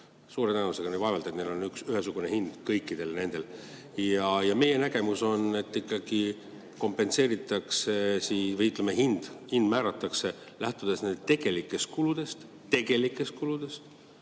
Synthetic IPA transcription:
suːɾenæuseɡ̥ɑnevɑevɑlt̪et̪nejlo̞nːyksyhesuɡ̥une̞hind̪̥kɤjkːid̪̥e̞lne̞nd̪̥e̞l | jɑjɑme̞je̞næɡ̥e̞muso̞ne̞t̪ːikːˑɑɡ̥i | ko̞mpːˑe̞nse̞ːɾit̪ːˑɑksesivɤjyt̪lemehind̪̥hind̥̪mæːɾɑt̪ːˑɑkse̞ | læht̪ud̪̥e̞sne̞nd̪̥et̪e̞ɡ̥e̞likːˑe̞st̪̚kulud̪̥e̞st̪ | t̪e̞ɡ̥e̞likːˑe̞st̪̚kulud̪̥e̞st̪

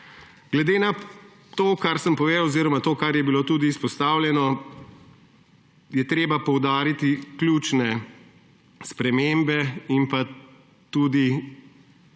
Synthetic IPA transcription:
ɡ̥lɛd̪ena | t̪oːkaɾsəmpɔʋeːd̪əwɔziːɾɔmat̪oːkaɾjɛbiloːt̪uːd̪iːspɔst̪aːwljɛnɔ | jɛt̪ɾeːbapɔwd̪aːɾit̪iklʲuːt͡ʃnɛ | spɾɛmembɛimpa | t̪uːd̪i

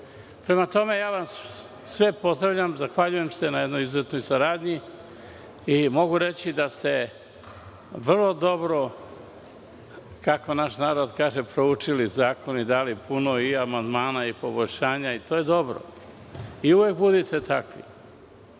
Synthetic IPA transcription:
pɾe̞mat̪o̞me̞jaːʋams | sʋe̞po̞t̪ɾebʎamzaxʋaʎuje̞mse̞najed̪nojuzet̪nojsaɾaːd̪ʲɲi | imo̞ɡuɾe̞t͡ɕid̪ast̪e̞ | ʋr̩lˠo̞d̪o̞bɾo̞ | kako̞naʃnaːɾod̪kaːʒepɾout͡ʃilizaːko̞nid̪aːlipʰuno̞iamand̪maːnaipo̞bo̞ʎʃaːɲait̪ʰoje̞d̪o̞bɾo̰ | iuʋek̚bud̪it̪e̞t̪akʋḭ

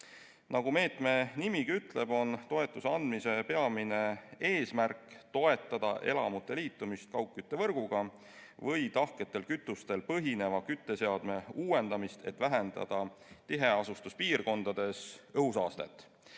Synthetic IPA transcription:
nɑɡ̥ume̞ːt̪ˑme̞nimiɡ̥yt̪ˑle̞b̥o̞nt̪o̞e̞t̪ːˑusɑnd̪̥mise̞pe̞ɑmine̞e̞ːsmærkːˑt̪o̞e̞t̪ːˑɑd̪̥ɑʔe̞lɑ̰mut̪ːˑe̞liːt̪ːˑumist̪̚kɑwkːyt̪ːe̞vɤrɡ̥uɡ̥ɑ | vɤjt̪ɑhke̞t̪ːˑe̞lkyt̪ːˑust̪e̞lpɤɦine̞vɑkyt̪ːˑe̞seɑd̪̥me̞uːwe̞nd̪ɑmist̪e̞̰t̪ːˑvæɦend̪̥ɑ̰d̪̥ɑt̪iɦe̞ɑsust̪uspiːrko̞nd̪̥ɑd̪̥e̞sɤusɑːst̪e̞̰t̪ːˑ

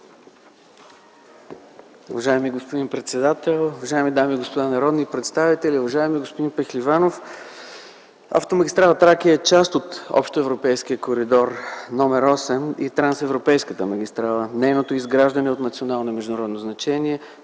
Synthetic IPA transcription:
uvɐʒaɛmiɡospod̪inpɾɛt̪sɛd̪at̪ɛlˠʊvɐʒaɛmid̪amiːɡospod̪anɐɾɔd̪nipɾɛt̪st̪avit̪ɛlʲiʊvɐʒaɛmiɡospod̪inpɛxlʲivanof | a̰ft̪omɐɡist̪ɾalˠət̪ɾakiɛt͡ʃast̪ot̪ɔ̰pʃt̪oɛvɾopɛjskiəkoɾid̪ɔɾnɔmɛɾɔsɛmḭt̪ɾansɛvɾopɛjskət̪əmɐɡ̟ʲist̪ɾalˠənɛjnot̪oizɡɾaʒd̪ənɛot̪nɐt̪sionalˠnoimɛʒd̪ʊnɐɾɔd̪noznɐt͡ʃɛnʲiɛ

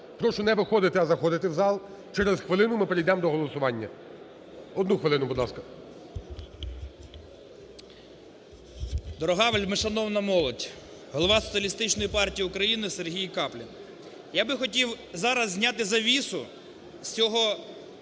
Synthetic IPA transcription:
pɾɔʃt͡ʃɔnɛʋɪxɔd̪ɪt̪ɪɐzɐxɔd̪ɪt̪ɪwzɑlˠ | t͡ʃɛɾɛzxʋɪlˠɪnʊmɪpɾɪjd̪ɛmd̪ɔɦɔlˠɔsʊʋɑnʲːɐ | ɔd̪nuxʋɪlˠɪnʊbud̪lˠɑskɐ | d̪ɔɾɔɦɑʋɐlʲmɪʃɐnɔwnɐmɔlˠɔdʲɦɔlˠɔʋɑsɔ̥t̪sʲiɐlʲist̪ɪt͡ʃnɔjipɑrtʲijiukɾɐjinɪserɦʲijkɑplʲin | jabɪxɔtʲiw | zɑɾɐzzʲnʲat̪ɪzɐʋʲisʊ | sʲt͡sʲɔɦɔ

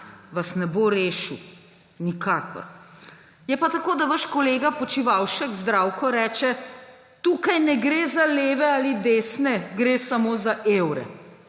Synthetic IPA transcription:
ʋɐsnɛboːɾeːʃiw | nikʰaːkʰɔ̰ɾ | jɛpat̪akoːd̪aʋaʃkɔleːɡapɔt͡ʃiʋawʃɛɡzd̪ɾaːwkɔɾɛːt͡ʃɛ | t̪uːkajnɛɡɾeːzaleːʋɛalid̪eːsnɛɡɾeːsamoːzaʔeːwɾɛ̰

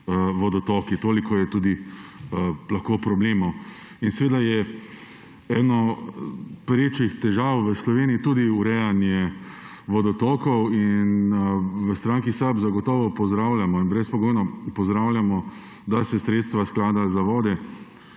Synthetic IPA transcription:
ʋɔd̪ɔt̪ɔkit̪oːlikɔjɛt̪uːd̪i | laxkoːpɾɔbleːmɔw | insɛʋeːd̪ajɛ | ɛnɔ | pɾeːt͡ʃixt̪ɛʒaːwʋəslɔʋeːniit̪uːd̪iuɾɛjanjɛ | ʋɔd̪ɔt̪ɔkɔwin | ʋəst̪ɾãːŋkisabzaɡɔt̪ɔːʋɔpɔzd̪ɾawlʲjamɔinbɾɛspɔɡojnɔpɔzd̪ɾawljamɔ | d̪asɛsɾeːt̪st̪ʋasklaːd̪azaʋɔːd̪ɛ

